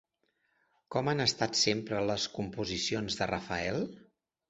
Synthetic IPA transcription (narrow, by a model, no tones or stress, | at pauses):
kɔmanəst̪at̪sempɾələskumpuzisionzðərəfəɛlˠ